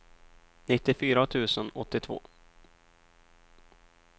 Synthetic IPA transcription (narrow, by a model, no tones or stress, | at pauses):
nɪt̪ːɪfyːɾat̪ʰʉ̟ːsənɔt̪ːɪt̪ʰvo̰ː